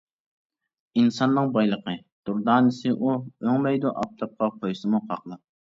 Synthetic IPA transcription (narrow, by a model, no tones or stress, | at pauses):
insɑnːɨŋbɑjlˠəqə | d̪̥uɾd̪ɑːnɪsɪʔuøŋmɛjd̪uʔɑp̚t̪ʰɑp̚qʰɑqʰojsɨmuqʰɑ̰qlˠɨp̚